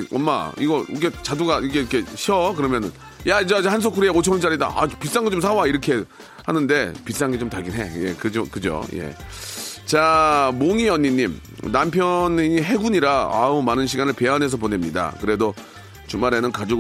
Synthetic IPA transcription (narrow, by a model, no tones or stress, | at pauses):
ʌmːa̰ḭɡʌiɡet͡ɕaduɡaiɡekʰe̞ɕʰʌkɯɾʌmjʌnɯn | jad͡ʑad͡ʑeɦans̬ʰokʰɯɾieot͡ɕʰʌŋɯnt͡ɕaɾida̰ʔa̰pis͈aŋɡet͡ɕoms̬ʰawaiɾʌkʰe | hanɯnde̞pis͈aŋɡet͡ɕomtaɭɡinɦe̞je̞̰kɯd͡ʑokɯd͡ʑo̰jḛ | t͡ɕamoŋiʌɲːiɲːim | nampʰjʌnɲiɦe̞ɡuɲiɾaa̰umanɯnɕʰiɡanɯɭpe̞anɦes̬ʰʌpone̞mɲida̰kɯɾe̞do | t͡ɕumaɾe̞nɯnkad͡ʑo